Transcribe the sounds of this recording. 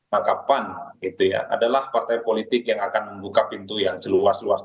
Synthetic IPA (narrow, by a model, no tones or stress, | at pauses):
akapanɡit̪uja̰ʔa̰dalahpart̪ajpolit̪ɪkjaŋakanməmbukapint̪ujaŋt͡ʃəluaslua̰s